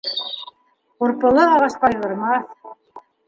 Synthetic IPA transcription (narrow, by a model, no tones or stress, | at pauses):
uɾpɤ̆lˠɤɑʁɑʃq̪ɑjʁɤ̆ɾmɑθ